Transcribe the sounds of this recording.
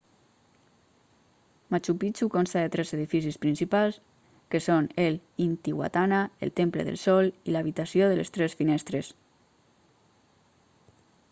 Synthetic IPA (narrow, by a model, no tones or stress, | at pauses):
mat͡ʃupit͡ʃukonst̪aðet̪ɾɛzeðifisispɾinsipalˠs | kesonelint̪iɣwa̰t̪anaḛlˠt̪emplḛðə̰lˠsɔlilaβit̪asioðəlest̪ɾɛsfinɛst̪ɾes